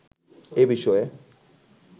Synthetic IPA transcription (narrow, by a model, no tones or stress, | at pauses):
ebiʃɔe